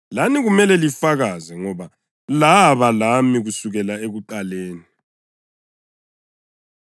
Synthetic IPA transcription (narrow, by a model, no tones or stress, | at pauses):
laniɣumɛlɛlifaɣazɛŋɔβa | laβalamiɣusuɣɛlaeɣuǃaleːni